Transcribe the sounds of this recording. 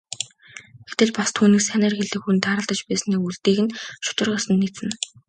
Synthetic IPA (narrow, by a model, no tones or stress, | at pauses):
ɡ̥et̪ɘ̆ɮpast̪ʰuːniːksænæːrxeɮɘ̆kxunt̪ʰaːɾə̆ɮt̪ə̆t͡ɕpæːsniːuɮt̪eːɣɘ̆nʃʊ̥t̪ɪ̆rʁə̆sə̆nːit͡sɘ̆n